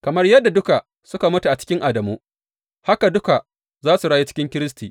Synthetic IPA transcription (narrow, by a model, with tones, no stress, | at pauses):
kɐ˨mɐ˦rjɐ˦dːa˨dʊ˦ka˨ | sʊ˦ka˨mʊ˦tu˨ʔa˨t͡ʃɪ̥˦kʲɪ˦ŋʔa˨dɐ˨muː˦ | ha˦ka˨dʊ˦ka˨ | zaː˦su˨ɽaː˦ji˦t͡ʃɪ̥˦kʲɪ˦ŋkʲɪ˦ɾɪ˦s̬tiː˨ʔ